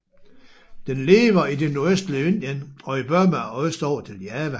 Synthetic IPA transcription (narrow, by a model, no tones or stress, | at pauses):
d̥enle̝ːʋɐidenuɐesd̥liend̥jənɒ̽ib̥ɶɐ̰mɑɒsd̥ɒ̰ːt͡sʰe̝ljæːʋə